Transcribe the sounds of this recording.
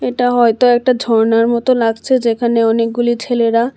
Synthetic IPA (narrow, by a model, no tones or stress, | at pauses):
eʈaɦɔjt̪oɛk̚ʈadʱɔɾnaɾmɔt̪olaɡt͡ɕʰed͡ʑekʰaneɔnek̚ɡulit͡ɕʰeleɾa